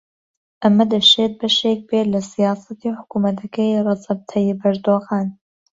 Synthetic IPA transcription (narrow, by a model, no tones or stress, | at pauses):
ʔɐmɐd̪ɐʃeːt̪̚bɐʃeːk̚bet̪lɐsijaːsɐt̪iːħʊ̥kuːmɐt̪ʰɐkʰɐjrˤɐzɐb̚t̪ʰɐjibɐɾd̪oːɣaːn